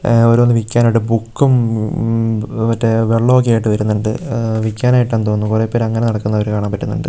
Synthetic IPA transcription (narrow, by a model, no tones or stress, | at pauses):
oɾuonːɨʋikʲːaːnoʈːɨbukːum | ʋɐtːeʋeɭːoːk̬ːejaːjiʈːɨʋɐɾunːuɳɖɨʋikʲːaːnaːjiʈːant̪oːnːukureːpːoɾɐŋːɐne̞nɐɽɐkːunːɐoɐɾukaːɳaːmpɐtːunːṵɳɖɨ